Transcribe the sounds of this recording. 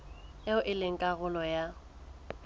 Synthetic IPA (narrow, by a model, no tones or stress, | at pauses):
jaʊʔɪleŋ̩kʼaɣʊlɔja